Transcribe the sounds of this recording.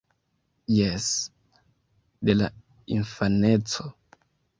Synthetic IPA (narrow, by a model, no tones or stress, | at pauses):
jes | d̪ela | infanet͡so